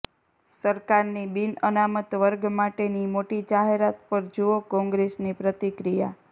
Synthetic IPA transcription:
səɾkaɾnibinənamət̪ʋəɾɡmaʈenimoʈid͡ʒaɦeɾat̪̚pəɾd͡ʒuokɔ̃ŋɡɾesnipɾət̪ikɾija̰

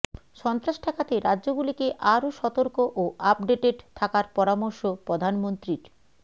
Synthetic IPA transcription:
ʃɔnt̪ɾaʃʈʰakat̪eɾadːʑoɡulikeʔaɾoʃɔt̪oɾkoʔoʔap̚ɖeʈeɖt̪ʰakaɾpɔɾamoɾʃopod̪ʱanmont̪ɾiɾ

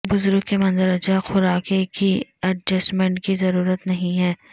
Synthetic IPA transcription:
bʊzɾʊɡkemɐ̃nzəɾɐd͡ʒaxʊɾaːkekiɐɖd͡ʒɐsmɛ̃ɳʈkizɐɾuːɾət̪nɐɦĩɦɛː

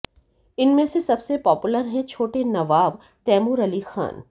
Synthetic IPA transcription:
ɪnmẽsesɐbsepɔːpʊləɾɦɛ̃t͡ʃʰoːʈenɐʋaːb | t̪ɛːmuɾɐlixa̰ːn

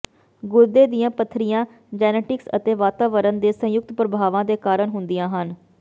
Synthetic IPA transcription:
ɡʊɾd̪eːd̪ijãːpət̪ʰːɾijãː | d͡ʒɛːneːʈɪksə̰t̪eːʋaːt̪aːʋəɾənd̪eːsə̃jʊk̚t̪pɾəbʱaːʋãːd̪eːkaːɾəɳɦʊnd̪ijãːɦən

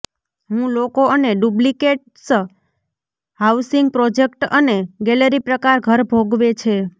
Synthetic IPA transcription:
ɦũlokoəneɖublikeʈ | s | hawsiŋɡ̚pɾod͡ʒekʈəneɡɛləɾipɾəkaɾɡʱəɾbʱoɡʋet͡ʃʰe

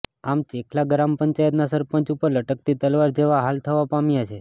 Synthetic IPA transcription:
amt͡ʃekʰlaɡɾampəɲt͡ʃajət̪nasəɾpə̃t͡ʃupəɾləʈək̚t̪ʰit̪əlʋaɾd͡ʒeʋaɦalt̪ʰəʋapamjat͡ʃʰe

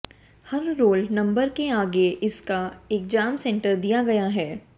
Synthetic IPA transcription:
hɐɾːoːlnɐ̃mbəɾkeaːɡeʔɪskaeːk̚d͡ʒaːmsɛ̃ɳʈəɾd̪ijaɡɐjaɦɛː

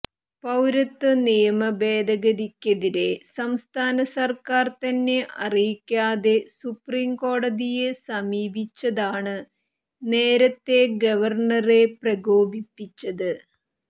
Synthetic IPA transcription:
pɐwɾɐt̪ːɨnijɐmɐbeːd̪ɐɡɐɾikʲːɐðiɾe̞sɐmst̪ʰaːnɐsɐrkaːrt̪ɐnːe̞ʔɐrijikʲːaːðe̞supriːmko̞ːɽɐðijesɐmiːbʱit͡ɕːɐðaːɳɨ | ne̞ːɾɐt̪ːe̞ɡɐʋɐrɳɐreprɐɡo̞ːbʱipːit͡ɕːɐðɨ

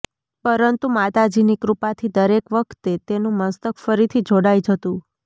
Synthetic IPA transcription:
pəɾənt̪umat̪ad͡ʒinikɾupat̪ʰid̪əɾekʋəkʰt̪et̪enũməst̪əkʰfəɾit̪ʰid͡ʒoɽajd͡ʒət̪ũ

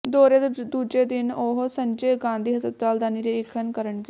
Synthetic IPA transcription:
d̪oːɾed̪uːd͡ʒeːd̪ɪnoːɦsəɲd͡ʒeːɡãːnd̪iːɦəzɾəbt̪aːld̪aːniːɾeːɪkʰənkəɾəɳɡ

